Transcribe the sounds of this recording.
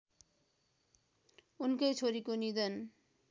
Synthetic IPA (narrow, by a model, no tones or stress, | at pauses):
unkejt͡ɕʰoɾikonid̪ən